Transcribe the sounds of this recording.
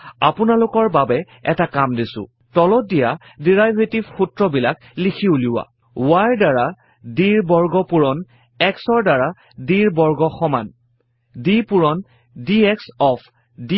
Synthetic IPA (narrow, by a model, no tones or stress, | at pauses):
a̰pʊnalʊkɔɹbabɛ | ɛ̰takamdisʊ̰̃ | tɔlɔdija | diɹajbʱetibxutɹɔbilak | likʰiuliwa̰ | waɹdaɹa | diɹbɔɹɡɔpuɹɔn | ɛksɔɹdaɹa | diɹbɔɹɡɔxɔman | dipuɹɔn | diɛksɔpʰ | di